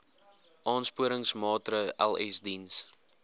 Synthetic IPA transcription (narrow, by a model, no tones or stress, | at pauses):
ʔɑːnspuəɾəŋsmɑːtɾəʔæ̰lˠɛsdins